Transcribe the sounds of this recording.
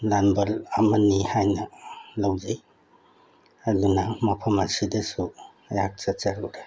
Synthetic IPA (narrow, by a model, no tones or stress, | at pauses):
lanbɐlamɐnːihajnɐlawd͡ʒaj | ɐdunɐmɐpʰɐmɐsidɐsu | ɐjak̚t͡ʃɐt͡ʃaɾuwɾe